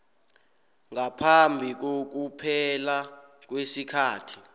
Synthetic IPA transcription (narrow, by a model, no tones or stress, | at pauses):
ŋapʰambʱik̬ok̬upʰɛlak̬wesikʰaːtʰi̥